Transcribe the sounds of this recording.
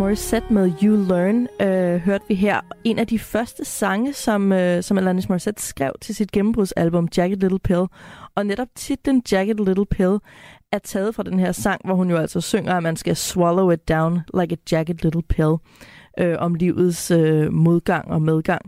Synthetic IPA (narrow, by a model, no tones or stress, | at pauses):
mɒsed̥meðˠjuløːnøɦøɐd̥əʋiɦæɐ̰e̝næd̥ifɶɐsd̥əsɑ̈ŋəsɒ̽møsɒ̽mælænismɒised̥sɡ̥ʁɛ̰ʊ̰t͡sʰe̝lsid̥ɡ̥emm̩b̥ʁuðˠsælb̥ɔ̽md̥jæɡ̥əd̥leɾl̩pʰelˠɒ̽neɾɒ̽b̥̚t͡sʰid̥ːend̥jæɡ̥əd̥leɾl̩ˠpʰelˠæɐt͡sʰɛːð̩ˠfʁɑ̈d̥enɦeɐ̰sɑ̈ŋ̰ʋɒhunjo̝æl̰sɒ̽søŋ̰ɐæmænsɡ̥æswɒloʊe̥d̥äʊnlʔɑ̈ɪɡ̥əd̥jæɡ̥əd̥leɾl̩ˠpʰelˠ | ʔøʔɒ̽mliʊð̩ˠsømo̝ð̞ˠɡ̥ɑ̈ŋ̰ɒ̽með̞ˠɡ̥ɑ̈ŋ̰